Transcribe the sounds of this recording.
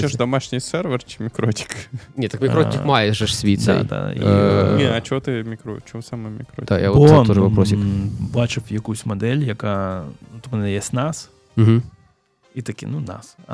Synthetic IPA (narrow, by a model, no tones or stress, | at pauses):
ed̪ɐmaʂnʲɪjsʲɛrvʲərt͡ʃɪ̥mʲɪkɾotʲɪ̥knʲet̪ɐkmʲɪkɾotʲɪkmajɛʐɛʂsʲvʲit̪d̪̰d̪a̰ḭeɐt͡ʃɪot̪ɨmʲɪkɾot͡ʃɪosaməjmʲɪkɾod̪aja̰ʋot̪oʐəpɐpɾosʲɪbat͡ʃɪfjɐkujsʲmɐd̪ɛlʲjɐkanut̪ɔpɐnajesʲtʲnas | m̩ɦm̩ | it̪ɐkʲḭnuna̰s